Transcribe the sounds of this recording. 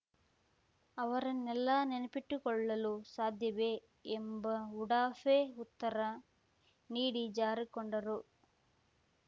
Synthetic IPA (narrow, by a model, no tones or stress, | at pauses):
ɐʋɐɾɐnːɛlːɐnenɐpiʈːukɔɭːɐlusaːd̪ʱjɐʋeː | mbɐuɽaːfeːut̪ːɐɾɐ | niːɽid͡ʒaːɾikɔɳɖɐɾu